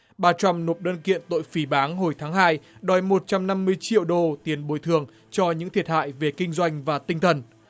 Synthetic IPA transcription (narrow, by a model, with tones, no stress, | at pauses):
ɓaː˧t͡ɕa˧mno˨˩p̚ɗəː˧nkḭ˧˨ənt̪o̰˧˨jfi˨˩˦ɓaː˨˦ŋɦo˧˩jt̪ʰaː˨˦ŋɦaː˧jɗɔ˨˩jmo˨˩t̚t͡ɕa˧mna˧mːɨ˧əjt͡ɕḭ˧˨əwɗo˧t̪i˨˦ənɓo˨˩˦jt̪ʰɨ˨˩əŋ | t͡ɕɔ˧ɲɨ̰˧˥ŋt̪ʰi˨˩ət̚ha̰ː˧˨jve˨˩kï˧ŋ̟zwa˧jŋ̟vaː˨˩t̪ï˧ŋ̟t̪ʰə˨˩n